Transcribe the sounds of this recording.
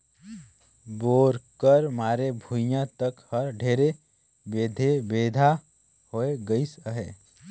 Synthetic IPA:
boːɾkəɾmaːɾebʱujãt̪əkhəɾɖʱeːɾe | beːd̪ʱebeːd̪ʱa | hoːeɡəisəɦeː

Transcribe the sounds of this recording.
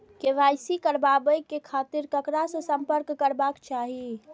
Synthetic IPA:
keʋajsikəɾbabəjkːekʰat̪iɾkəkɾasə̃səmpəɾkːəɾbakt͡ʃaɦi

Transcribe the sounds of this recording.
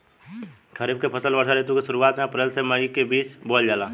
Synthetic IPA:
kʰəɾib̚kepʰəsəlbəɽsaleːt̪ũkesʊɾuaːt̪mẽɐpɾeːlseməɽikebiːt͡ʃboːld͡ʒaːlaː

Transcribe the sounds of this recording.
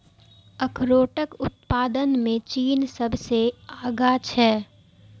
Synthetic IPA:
əkʰɾoːʈəkʊt̪̚paːd̪ənmẽt͡ʃiːnsəbʱseaːɡat͡ʃʰɛː

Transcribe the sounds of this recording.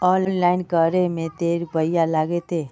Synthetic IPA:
ɔːnnlaːɪnkəɾemẽt̪eːɾbəɪjalaːɡet̪eː

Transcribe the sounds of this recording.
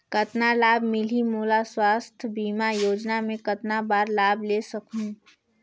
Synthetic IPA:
kɐt̪nalaːbmɪlimuːlaswaːst̪ʰbiːmajoːd͡ʒnamẽkɐt̪nabaːɾlaːblesɐkũ

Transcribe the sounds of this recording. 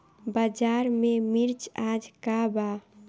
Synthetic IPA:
bad͡ʒaɾmemiɾt͡ʃad͡ʒkaba

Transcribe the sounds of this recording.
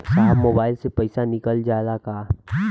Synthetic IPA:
saːbmoːbaːɪlsepɛɪsanɪkəld͡ʒaːlakaː

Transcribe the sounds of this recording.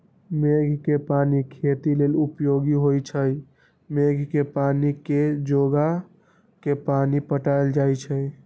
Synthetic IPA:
meɡʱkepanikʰet̪ilelupjoɡiɦojt͡ʃʰəj | meɡʱkepaniked͡ʒoɡa | kepanipəʈaɪld͡ʒajt͡ʃʰəj

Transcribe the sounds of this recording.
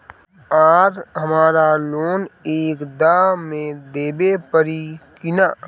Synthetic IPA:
aːɾɦəmaːɾaloːneːkd̪amẽd̪eːbepəɾikɪnaː

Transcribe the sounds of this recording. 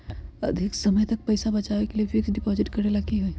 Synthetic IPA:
ɐ̰d̪ʱɪksɐməjt̪ɐk̚pɐɪsabɐt͡ʃaːʋekeliefɪksɖɪpɔːzɪʈkɐɾelakiɦoi

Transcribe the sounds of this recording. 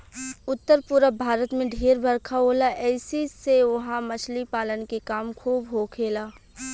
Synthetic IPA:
ʊt̪ːəɾpʊɾəbʱaːɾət̪mẽɖʱeːɾbʱəɾkʰaɦolaʔɛːsiseʋʊɦãmɐt͡ʃʰlipaːlənkekaːmkʰuːbɦokʰeːlaː

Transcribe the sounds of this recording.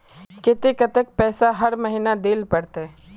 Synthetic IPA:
kɪt̪ekət̪ək̚pɛːsaɦɐɾmɐɦinad̪eːlpɐɽt̪ɦɛ

